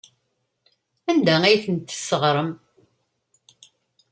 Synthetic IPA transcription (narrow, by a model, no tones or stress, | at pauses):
ænd̪ææjθənt̪ːəsːəʁɾˤəm